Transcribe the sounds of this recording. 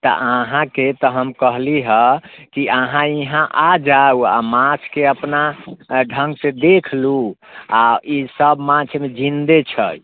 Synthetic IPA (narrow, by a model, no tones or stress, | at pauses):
t̪ɔ̰ʔaɦãket̪ɔɦəmkəɦliɦəkiʔaɦãiɦãʔad͡ʒaua̰mãt͡ʃʰkeəpnaɖʱəŋɡsed̪ekʰlu | aisəbmãt͡ʃʰmed͡ʒʱind̪et͡ʃʰə̰